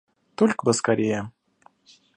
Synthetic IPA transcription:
t̪olʲkbəskaɾʲejə

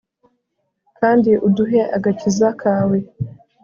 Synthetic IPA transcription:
kaːndiʔuduɦe̞ʔaɡacizakʰaːwe̞

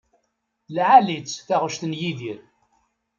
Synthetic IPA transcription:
lʕalit͡sːθaʁəʃt̪ənjiðiɾ

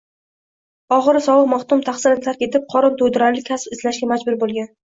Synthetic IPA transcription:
ɒʁɨɾsɒwɨqmaχt̪ʊmt̪ʰaχsɪnɪt̪ʰaɾkʲe̞t̪ʰɪp̚qʰɒɾɒnt̪ʰod̪ɪɾanlɪkʲʰːaspɪzlaʃɡʲamad͡ʒbʊɾbolˠɡʲan

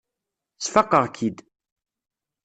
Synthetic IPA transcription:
t͡sːfəqːəʁkʰid̪

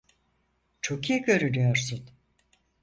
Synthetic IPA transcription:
t͡ʃʰokijɛɡʲø̞ɾyɾyjoɾsun

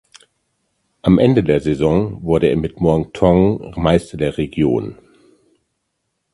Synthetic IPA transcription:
ʔamʔɛndədeːɐzezɔ̃ŋvʊɐɾəeːɐmɪtmɔɐŋtʰɔŋmaɪstɐdeːɐʁeɡjo̰ːn

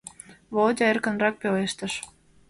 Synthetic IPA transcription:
βold̪ʲɑerkə̆nrɑk̚peleʃt̪ə̆ʃ

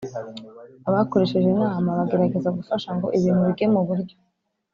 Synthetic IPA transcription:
aβako̞ɾe̞ʃe̞ʒe̞naːmaβaɡe̞ɾaɡe̞zaɡufaʃaŋɡo̞̰ʔiβiːnuβiɡe̞muβuɾɟo̞

